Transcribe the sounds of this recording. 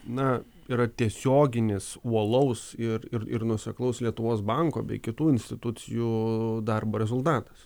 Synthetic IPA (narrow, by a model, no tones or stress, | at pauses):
nɐ | iːɾɐt̪ʲiɛsʲoːɡʲɪnʲɪsuɔlˠɐʊsɪrɪrɪ̰rnʊsʲɛklˠɐʊslʲiɛt̪ʊʋoːsbɐŋko̰ːbʲɛ̰ɪkʲɪt̪uːɪnʲsʲt̪ʲɪt̪ʊt̪t͡sʲɪjuːd̪ɐrboːɾʲɛzʊlˠt̪ɑːt̪ɐ̥s